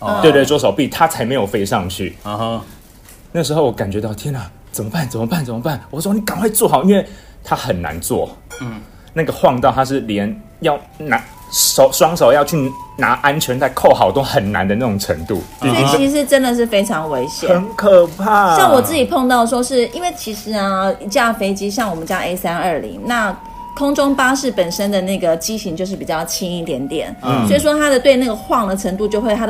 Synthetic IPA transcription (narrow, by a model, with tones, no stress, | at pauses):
t̪we˥˧t̪wwɔ˥ʂo˨˩ʊpi˥˨˩t̪ʰa˥t͡sʰa˧˥ɪme˧˥ɪjo˨˩fe˥˧ɪʂɑ˥˧ŋt͡ɕʰy̰˥˩ | na˥˩ɡə˩ʂɻ̩˧xo˥˩wɔ˧˦ka˨˩nt͡ɕɥɛ˧˥t̪ɑ˥˩ʊt̪ʰjɛ˥na˨˩ | t͡sə˨˩mə˦pa˥˩nt͡sə˨˩mə˩pa˥˩nt͡sə˨˩mə˦pa˥˩nwɔ˨˩˥n˨˩ka˨˩ŋkwe˥˧ɪt͡swɔ˥˩xɑ˨˩ʊi˦nwe˥˩ɪ | t̪ʰa˦xə˨˩nna̰˧˦nt͡swɔ̰˥˨˩ | na˥˩ɡə˩xwɑ˥˧ŋt̪ɑ˥˧ʊt̪ʰa˥ʂ̬ɻ̩˥˩ljɛ˨˧˦n | jɑ˥˩ʊ | na˧˦˥ | ʂo˨˦ʊʂwɑ˥ŋʂo˨˩ʊjɑ˥˧ʊt͡ɕʰy˥˨na˧˥ʔa˦nt͡ɕʰɥɛ˧˥nt̪a˥˧ɪkʰo˥˩ʊxɑ˨˩ʊt̪o˥ʊxə˨˩nna̰˧˦nd̪ə˧na˥˩ʊ˨˩ŋʈ͡ʂʰə̰˧˥ŋt̪ṵ˥˨˥i˧˩t͡ɕʰi˧˥ʂ̬ɻ̩˧˥ʈ͡ʂə˦˥nd̪ə˨ʂ̬ɻ̩˥˩fe˥ɪʈ͡ʂʰɑ˧˥ŋwe˧˥ɪɕjɛ˨ə˦˧˦nkʰə˨˩pʰa˥˩jɑ˥˩wɔ˨˩t͡sɹ̩˥˩t͡ɕi˨˩pʰo˥˧ŋt̪ɑ˥˩ʊəʂ̬wɔ˥ʂɻ̩˥˩i˥nwe˥˩ɪt͡ɕʰi˧˥ʂɻ̩˧˥nə˧i˧˩t͡ɕja˥˩fe˥ɪt͡ɕi˥ɕjɑ˥˩ŋwɔ˨˩mə˦nt͡ɕja˥ʔe˥ɪsa˥nə˞˥˩lḭ˧˥ŋna˥˩ | kʰʊ˥ŋʈ͡ʂʊ˥ŋpa˥ʂɻ̩˥˩pə˨˩nʂə˥nd̪ə˨na˥˩ɡə˩t͡ɕi˥ɕi˧˥ŋt͡ɕjo˥˧ʊʂ̬ɻ̩˥˩pi˨˩t͡ɕjɑ˥˩ʊt͡ɕʰi˥ŋi˥˩t̪jɛ˨˩nt̪jɛ̰˨˩˦nswɔ˧˥i˨˩ʂ̬wɔ˥t̪ʰa˥d̪ə˨t̪we˥˧na˥˩ɡə˩xwɑ˥˩ŋd̪ə˨ʈ͡ʂʰə˧˥ŋt̪u˥˧t͡ɕjo˥˧ʊxwe˥ɪa˥d̪